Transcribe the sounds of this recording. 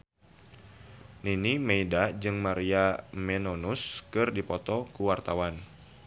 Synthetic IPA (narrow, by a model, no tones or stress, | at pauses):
ninimeidad͡ʒɨŋmaɾiamɛnonuskɨrdipɔt̪ɔkuwart̪awan